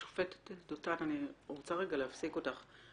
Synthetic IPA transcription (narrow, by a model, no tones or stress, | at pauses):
o̥fetdotananioʁt͡saʁeɡaleafsikotaχ